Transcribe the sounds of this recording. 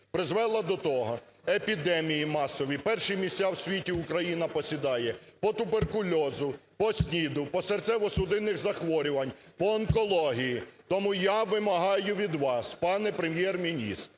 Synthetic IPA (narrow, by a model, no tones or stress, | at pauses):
pɾɪzʋɛlˠɐd̪ɔt̪ɔɦɔ | epʲid̪ɛmʲijimɑsɔʋʲipɛrʃimʲisʲt̪ʲawsʲʋʲitʲiʊkɾɐjinɐpɔsʲid̪ɑjɛpɔt̪ʊberkʊlʲɔzʊpɔsʲnʲid̪ʊpɔsɛrt̪sʲɛʋɔsʊd̪ɪnɪxzɐxʋɔɾʲʊʋɐnʲ | pɔːnkɔlˠɔɦʲijit̪ɔmujaʋɪmɐɦɑjʊʋʲid̪ʋɑspɑnɛpɾemjɛrmʲinʲḭst̪